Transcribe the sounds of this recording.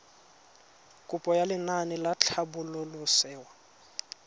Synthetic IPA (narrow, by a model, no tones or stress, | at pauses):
kʼʊpʼɔjalɪnanɪlat͡ɬʰabʊlʊlʊsɛːwa